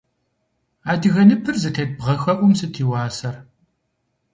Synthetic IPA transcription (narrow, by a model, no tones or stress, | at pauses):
aːdɨɣɐnɨpʰɨrzɨtʰɐd̚bʁɐxɐʔʷʊmsɨtʰiːwɑːsɐr